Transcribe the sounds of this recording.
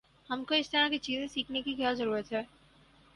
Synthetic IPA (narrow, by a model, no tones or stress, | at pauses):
hamkoest̪ʰanaket͡ɕizʱesiknikikewad͡ʑoɾuɾet͡ɕʰe